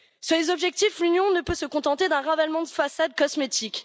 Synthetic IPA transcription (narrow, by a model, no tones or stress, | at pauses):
syʁlezɔbʒɛk̚t̪iflynjɔ̃nəpøsəkɔ̃t̪ɑ̃t̪ed̪ɛ̃ʁavalmɑ̃d̪əfasad̪̚kɔsmet̪ik